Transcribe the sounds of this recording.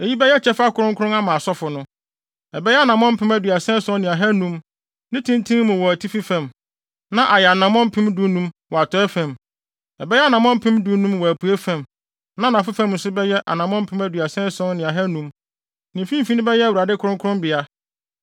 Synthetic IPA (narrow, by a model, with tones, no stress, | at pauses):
e˨ji˦bɛ˦jɛ˦t͡ɕʰɛ˦fa˦kʰʊ˨ɾʊ̃˦ŋkʰʊ˦ɾʊ̃˦a˦mã˨sɔ˦fʊ˨nʊ̃˦ | ɛ˨bɛ˦jɛ˦a˦˨nã˨mɔ̃˦m̩˦pʰɪ̃˦mæ˦dɥa˨sɛ̃˦sɔ̃˦n˦nɪ̃˨a˨ɦɛ˦nũ˦m | nɪ̃˦tʰĩ˦ntʰĩ˦ŋ˦mʊ̃˨wɔ˨æ˨tʰi˦fi˦fæ̃˨m | nã˦ʔa˨jɛ˨a˨nã˨mɔ̃˦m̩˦pʰɪ̃˦mdu˦nũ˦mwɔ˨a˨tʰɔ˦ɛ˦fæ̃˨m | ɛ˨bɛ˦jɛ˦a˦nã˨mɔ̃˦m̩˦pʰɪ̃˦mdu˨˦nũ˦mwɔ˨æ˨pʰu˨e˦fæ̃˨m | nã˦nã˨fɪ˦fæ̃˦m̩˨sʊ˦bɛ˦jɛ˦ʔa̰˨nã˨mɔ̃˦m̩˦pʰɪ̃˦mæ˦dɥa˨sɛ̃˦sɔ̃˦nnɪ̃˨a˨ɦɛ˦nũ˦m | nɪ̃˨fĩ˦m˦fi˦nʊ̃˦bɛ˦jɛ˦æ˨wu˨ɾa˨dɪ˦kʰʊ˨˦ɾʊ̃˦ŋkʰʊ˦ɾʊ̃˦mbɪ˨a˦